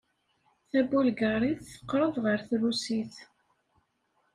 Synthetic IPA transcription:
θæbulɡəɾˤiθθə̥qːɾˤəðˤʁəɾθɾusiθ

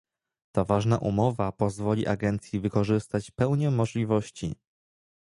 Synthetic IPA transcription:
t̪avaʐnaʔumɔvapɔzvɔlʲiʔaɡɛnt̪sʲjivɘkɔʐɘst̪at͡ɕpɛwɲɛmːɔʐlʲivɔɕt͡ɕḭ

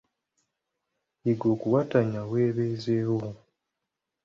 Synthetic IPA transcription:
iɡoːkuwataɲaweːβeːzewo

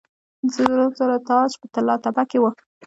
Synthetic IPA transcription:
nzəɾozaɾot̪ɑʃpət̪alɑt̪abakewə

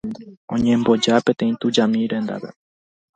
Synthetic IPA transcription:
õ̰ɲẽ̞mbo̞d͡ʒapẽ̞t̪ẽ̞ĩt̪ud͡ʒamĩɾẽ̞nd̪a̰βḛ

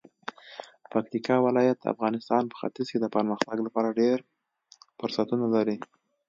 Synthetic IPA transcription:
pak̚t̪ikɑwɪlɑjat̪̚d̪ə̰a̰fɣɑnɪst̪ɑnpə̥xa̰t̪ɪzked̪əpəɾməxt̪aɡlapɑɾaɖeɾ | fʊɾsat̪unalaɾi

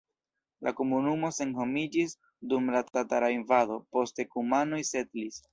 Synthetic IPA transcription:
lʔa̰ko̞munumo̞se̞nho̞mid͡ʒis | dumlatataɾainvado̞po̞ste̞kumano̞jse̞tlis

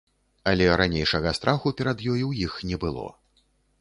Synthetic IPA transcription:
ɐlʲɛɾanʲejʂɐɣɐst̪ɾʔaxupʲɛɾad̪jɔjiwjixnʲɛbɨlˠɔ̰

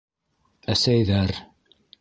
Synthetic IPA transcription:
æsæjðæɾ

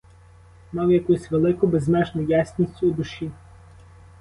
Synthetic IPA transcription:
mɑwjɐkusʲʋelˠɪkʊbeznɛt͡ʃnʊjasʲnʲisʲtʲʊːd̪ʊʃi

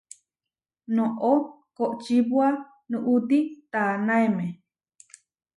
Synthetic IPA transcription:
nõʔo | koʔt͡ʃiβwa | nũʔut̪it̪anãemẽ

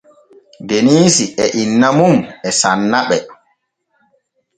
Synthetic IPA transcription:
deniːsiɛʔinːamumɛsanːaɓɛ

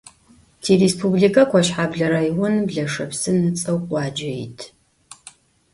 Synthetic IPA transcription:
tʰiːɾespʰublikʰɐkʷʰɔʃħaːbɮɐɾajwʊnbɮɐʂɐpsɨnɨt͡sʼɐwqʷʼɑːd͡ʒɐjɪ̰tʰ

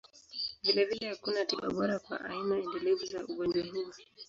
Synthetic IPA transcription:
vilɛvilɛhakunatiɓa̰ɓɔɾakwa̰ʔa̰imaɛndɛlɛvuzauɓɔɗaniwa

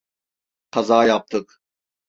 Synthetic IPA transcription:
qʰazaːjap̚t̪ʰɯk

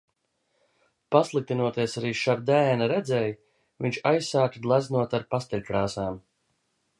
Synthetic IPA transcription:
paslˠik̚t̪inuɔt̪iɛsaɾiːʃaɾd̪ɛːnaɾɛd̪zɛj | viɲʲt͡ʃajsaːt̪ɡlˠæznuɔt̪aɾpast̪ɛlʲkɾaːsaːm

